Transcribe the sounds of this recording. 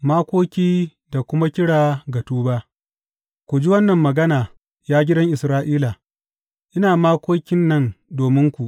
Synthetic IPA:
maː˦kʷoː˦kʲiː˦ | da˨kʷʊ˦ma˦kʲɪ˦ɽaː˨ɡɐ˨tuː˦baː˦ʔ | kʷu˨d͡ʒi˦wɐ˦nːɐ˨mːɐ˨ɡɐ˦naː˨ | jaː˦ɡʲɪ˦dɐ˦ŋʔɪ˨sɾaː˦ʔiː˦la˨ | ʔɪ˦naː˨maː˦kʷoː˦kʲɪ˦nːɐ˦ndoː˨mɪ˦ŋkʷu˨ʔ

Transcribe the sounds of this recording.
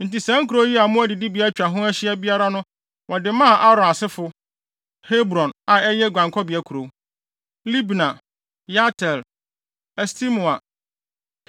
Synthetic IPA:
n̩˨ti˨sã˦ŋkʰu˨ɾo˦ji˦a˨mʊ̃˦æ˦dɪ˨di˦bi˨a˦t͡ɕᶣa˨ɦʊ̃˦æ˦ɕɪ˦ɛ˦bi˦a˦ɾa˦nʊ̃˦ | wɔ˨dɪ˨mã˦˨ʔa˦ɾɔ̃˨a˨sɪ˦fʊ˨ | he˦bɾɔ̃˨na˨ɛ˦jɛ˦ɡʷã˨ŋkʰɔ˦bi˨a˦kʰu˨ɾo˨˦ | li˦bnã˨ | ja˦tʰɛ˨l | ɛ˨stʰi˦mʊ˨a˨

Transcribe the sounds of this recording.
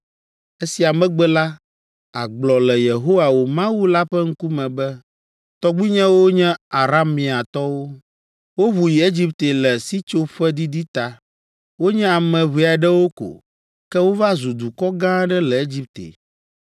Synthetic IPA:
e˦si˨a˨mɛ̃˦ɡ͡bɛ˦la˦ | a̰˨ɡ͡blɔ˨lɛ˨je˨ɦo˦wa˨wo˨mã˦wu˦la˦ɸɛ˦ŋ̩˦ku˦mɛ̃˨bɛ˦ | t̪ɔ˦ɡ͡bi˦ɲɛ̃˦wo˦ɲɛ̃˦a˨ɾa˦mːĩ˨a˨t̪ɔ˦wo˦ | wo˦βu˨ji˨e˦d͡ʑi˦pt̪e˨lɛ˨si˦t͡ʃo˦ɸɛ˦d̪i˦d̪i˦t̪a˨ | wo˦ɲɛ̃˦a˨mɛ̃˨βi˨a˨ɖɛ˦wo˦ko̰˨ | kɛ˦wo˦va˦zu˨d̪u˨kɔ˦ɡã˦ɖɛ˦lɛ˨e˦d͡ʑi˦p̚t̪ḛ˨

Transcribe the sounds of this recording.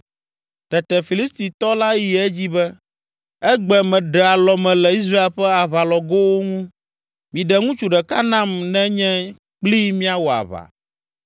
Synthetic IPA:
t̪ɛ˨t̪ɛ˨fi˨li˦st̪i˨t̪ɔ˦la˦ji˨ɛ˦d͡ʑi˦bɛ˦ | ɛ˦ɡ͡bɛ˨mɛ̃˨ɖɛ˨a˨lɔ˨mɛ̃˨lɛ˨i˦s̬ɾa˦e˦˨lɸɛ˦a˨βa˨lɔ˨ɡo˦wo˦ŋũ˦ | mĩ˨ɖɛ˨ŋũ˦t͡ʃu˨ɖɛ˨ka˦nã˦mnɛ̃˦ɲɛ̃˦ | k͡pli˦mĩ˦a˨wo˨a̰˨βa̰˨

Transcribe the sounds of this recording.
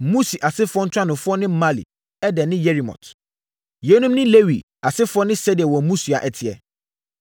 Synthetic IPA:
mũ˦si˨ʔa˨sɪ˦fʊ˦ɔ˦n̩˦tʰᶣã˦nʊ̃˨fʊ˦ɔ˦nɪ̃˦ma˦lḭ˨ | ɛ˦dɛ̃˨nɪ̃˦je˦ɾi˨mɔ̰˨tʰ | je˨˦nũ˦mnɪ̃˦le˦wi˨ | a˨sɪ˦fʊ˦ɔ˦nɪ̃˦sɛ˦di˨ɛ˨wɔ˨˦mũ˦si˨a̰˨ʔɛ˨tʰɪ˨ɛ̰˨

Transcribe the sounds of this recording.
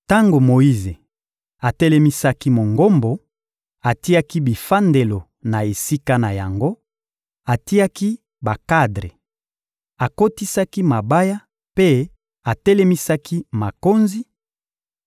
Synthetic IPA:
ta˦ŋɡo˨mo˨i˦ze˨ | a˨tɛ˦lɛ˦mi˦sa˦ki˦mo˨ŋɡo˦mbo˨ | a˨ti˦a˦ki˦bi˨fa˦nde˨lo˨ | na˨e˨si˦ka˦na˨ja˨ŋɡo˦ | a˨ti˦a˦ki˦ | ba˨ka˦dʁe˨ | a˨ko˦ti˦sa˦ki˦ma˨ba˦ja˦ | pe˦ | a˨tɛ˦lɛ˦mi˦sa˦ki˦ma˨ko˦nzi˦

